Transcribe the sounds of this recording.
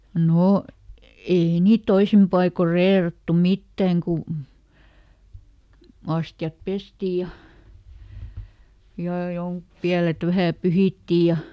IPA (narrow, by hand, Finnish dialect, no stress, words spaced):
noˑ ei niːt toisim pɑikor reːrɑtːu mitːæŋ ku ɑstjɑp pesti jɑ jɑˑ joŋk piælet ʋæhæˑ pyhiˑtːi jɑ